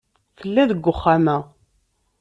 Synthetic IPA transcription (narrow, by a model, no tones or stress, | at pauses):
θəlːæðəɡʷːʊχːamæ